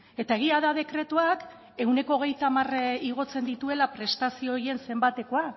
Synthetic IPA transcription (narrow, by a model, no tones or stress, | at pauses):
e̞t̪ae̞ɣ̞iaðaðe̞kɾe̞t̪uak | e̞wne̞ko̞ːɣ̞e̞jt̪amariɣ̞o̞t͡se̞nd̪it̪ue̞lapɾe̞st̪asio̞ːɾje̞nse̞mbat̪e̞ko̞a